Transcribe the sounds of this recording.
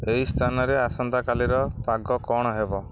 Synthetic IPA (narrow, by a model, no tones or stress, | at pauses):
eɦist̪ʰanɔɾeasɔnd̪akaliɾɔpaɡɔkɔɽ̃ɔɦebɔ